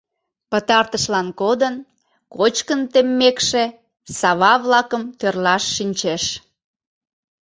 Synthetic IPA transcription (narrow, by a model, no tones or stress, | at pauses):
pət̪ɑrt̪əʃlɑnkod̪ən | kot͡ɕkənt̪emːekʃe | sɑβɑβlɑkəmt̪ørlɑʃːinʲt͡ɕeʃ